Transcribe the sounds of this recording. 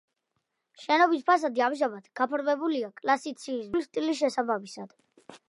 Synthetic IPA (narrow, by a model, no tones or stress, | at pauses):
ʃɛnɔbis̬pʰas̬ad̪iamʒamad̪ɡ̥apʰɾvɛbuliakʼlasit̪sʰiːsvulist̪ʼilisʃɛsabamisad̪̥